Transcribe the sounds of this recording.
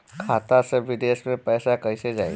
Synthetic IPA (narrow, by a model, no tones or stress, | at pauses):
kʰat̪asəʋid̪esmepəjsakəjsed͡za̰j